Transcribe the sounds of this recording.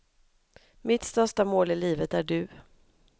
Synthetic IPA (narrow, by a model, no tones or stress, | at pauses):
mɪt̪st̪œʂʈamoːlɪliːvət̪æɖɵ